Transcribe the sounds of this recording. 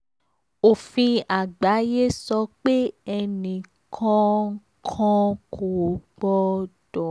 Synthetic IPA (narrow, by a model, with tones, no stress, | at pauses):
o˨fĩ˧a˨ɡ͡ba˨˦je˦sɔ˧k͡pe˦ɛ˧nĩ˨ | kʰɔ̃˧˦ | kʰɔ̃˧kʰo˨˦ɡ͡bɔ˧d̥ɔ˨